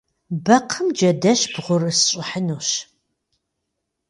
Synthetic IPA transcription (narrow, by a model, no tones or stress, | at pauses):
bɐqʰəmd͡ʒɐdɐɕb̥ʁʷʊrɨsɕʼɪħənuːɕ